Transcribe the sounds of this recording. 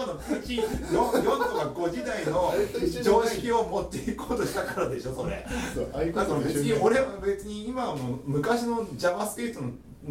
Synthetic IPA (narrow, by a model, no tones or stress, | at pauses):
no | jõjõnzoβaɡo̞d͡ʑid̪aino̞t͡ɕoːekʲio̞mo̞t̪ːeikoːt̪o̞ɕi̥t̪akaɾad̪e̞ɕo̞so̞ɾḛ | at̪obet͡sɨɲʲio̞ɾe̞βabe̞t͡sɨɲ̟iːmamomɯ̟kaɕino̞d͡ʑaβasɨ̥k̪eːt̪ono